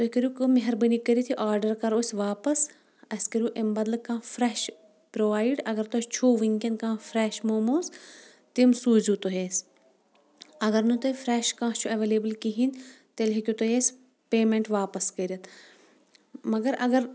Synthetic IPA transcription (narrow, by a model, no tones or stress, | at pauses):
t̪okɐɾʲuːkomeɦɐɾbɐnikɐɾit̪ʰiʔaːɾɖɐɾkɐɾoːsʲʋaːpɐs | ɐskɐɾʲjuːʔembɐd̪lɐkãːfɾɛːʃ | pɾoːʋaːiɖɐɡɐɾt̪ost͡ʃʰuːʋiŋkʲɐnkãːfɾɛʃmoːmoːs | t̪imsuːzut̪oɦeːs | ɐɡɐɾnut̪ofɾɛːʃkãːt͡ʃʰuɐʋeːleːbəlkiɦint̪elɦekʲut̪ojeːsʲ | peːmẽɳʈʋaːpɐskɐɾʲɐt̪ʰ | mɐɡɐɾɐɡɐɾ